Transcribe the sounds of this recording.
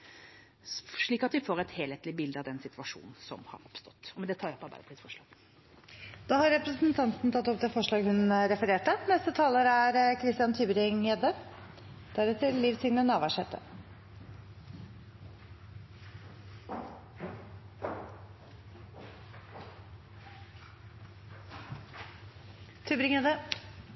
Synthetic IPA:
ʂɭiːkɑt̪ʋɪfoːɾɛt̪heːlheːt̪lɪbɪld̪əɑʋd̪ɛnsɪt̪ʋɑʂṵːnn̩sɔ̰mhɑ̰ɾɔpst̪ɔt̪ːɔmɛnd̪ɛt̪ʰɑːɾɔpʰːɑbæ̰ɾəpʰɪt̪fɔʂɭɑ̰ːɡ̥ | d̪̥ɑːhɑɾɾɛpɾəsnt̪ʰɑnt̪n̩t̪ʰɑt̪ːɔpd̪ɛfɔʂɭɑːɡhʉnɾɛfəɾeːʈənɛst̪ət̪ʰɑːləɾæɾkʰɾɪst̪ɪɑnt̪ʰyːbəɾɪŋjɛd̪ə | d̪̥æːɾɛt̪ʰɪlːiːʋsʰɪŋnənɑːʋæʂɛt̪ːə̰ | t̪ʰʉːbɾɪŋɛd̪ə

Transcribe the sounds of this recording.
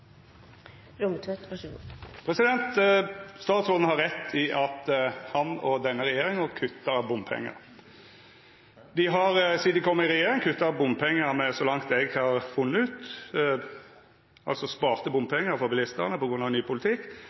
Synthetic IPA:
ɾʊmt̪ʰœt̪ | pʰɾɛsɪd̪ɛnt̪st̪ɑːt̪sʁɔːd̪n̩hɑɾːɛt̪ʰːɪʔɑt̪hɑnɔd̪ɛnːəɾɛjeːɾɪŋɔkʰʉt̪ːəbʊmpʰɛ̰ŋːə̰ɾ | d̪ɪɦɑɾsiːd̪d̪ɪkʰɔmːəɾɪʁɛjeːɾɪŋkʰʉt̪ːɑbʊmpʰɛŋːəɾmɛsɔlɑŋt̪ɛɡhɑʁfʉnːəʉt̪ | ɑlsɔspɑːʁt̪əbʊmpʰɛŋːəɾfɔɾbɪlɪst̪əʁnəpɔɡʁʉnɑʋnyːpʊlɪt̪ʰɪkː

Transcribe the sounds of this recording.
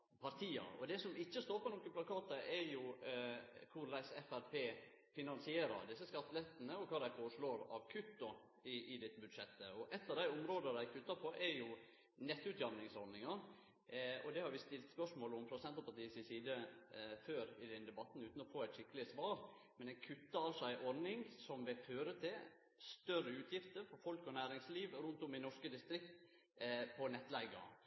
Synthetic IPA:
pʰɑɾt̪ʰiːɑ̰ɔ̰d̪ɛsɔmɪçːəst̪oːɾpɔnɔkːəplɑkʰɑːt̪əʔɛɾjʊ | kʰʊɾlæɪsɛfæɾpʰeː | fɪnɑnsɪeːɾə̰ɾd̪ɪsːəskɑt̪ːlɛt̪ːənəɔkʰɑːd̪æɪfoːɾʂɭoːɾɑ̰ʋkʰʉt̪ːʊ | ɪʔɪd̪ɛt̪ːəbʉd̪ʂɛt̪ːəɔʔɛt̪ːɑd̪æɪʊmɾoːd̪əd̪æɪkʰʉt̪ːɑpʰɔʔɛɾjʊ | nɛt̪ːʊʉːt̪jɑmnɪŋsɔɾnɪŋɑɾ | ɔd̪ɛhɑɾʋɪst̪ɪlt̪spœʂmoːləʊmfɾɔsɛnt̪ɾəpɑt̪iːsɪsiːd̪əføːɾɪd̪ɛnd̪ɛbɑt̪ːn̩ʉːt̪n̩ɔfoːæɪt̪ʃɪkːəlɪəsʋɑːɾ | mɛnɛnkʰʉt̪ːɑɑlsɔæɪʔɔɾnɪŋsɔmʋɪføːɾət̪ʰɪl | st̪œrəʉːt̪ʰjɪft̪əɾfɔɾfɔlkɔnæːɾɪŋsliːʋɾʉnt̪ʊmɪnɔʂkəd̪ɪst̪ɾɪkt̪ | pʰɔnɛt̪ːlæɪɡɑ̰

